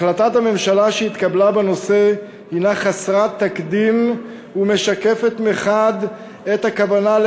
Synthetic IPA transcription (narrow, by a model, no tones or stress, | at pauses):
lat̪at̪hame̞mʃalaʃeit̪kablabeno̞se | hinaχasʁat̪ːakd̪im | ume̞ʃake̞fe̞t̪meχad̪ | et̪hakavanal